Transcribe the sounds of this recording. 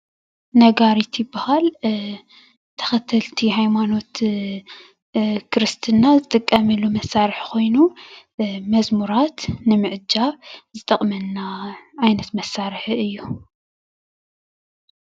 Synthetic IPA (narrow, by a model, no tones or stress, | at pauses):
nɐɡaɾit̪ʰjɪbːahal | t̪ʰɐ̥xɐt̪ʰːɐlt̪ʰihajmano̞t̪ | kʰɾɨst̪ʰɨnːazɨt̪ʼɨkʼːɐmɨlumɐsːaɾɨħkʰo̞jnu | mɐzmuɾat̪nɨmɨʕɨd͡ʒaβzɨt̪ʼɐχʼmɐnːaʕajnɐt̪mɐsːaɾħɨjːu